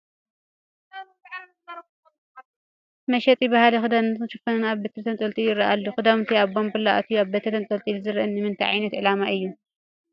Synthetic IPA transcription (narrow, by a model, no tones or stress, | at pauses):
mɐʃɛt̪ʼjibahalɐxɨd̪amnt̪ʰɨʃɨfɐnɨnaβbɐt̪ʰɐt̪ʰɐnt̪ʼɐlt̪ʼijɪrːɐʔalːuxɨd̪aβnt̪ʰiaβbombɨlːaʔt̪ʰujaβbɐt̪ʰɐt̪ʰɐnt̪ʼɐlt̪ʼilɨzɨɾʔɨnːɨmɨnt̪ʰaʕa̰jnɐt̪ʕɨlamaʔɨjːu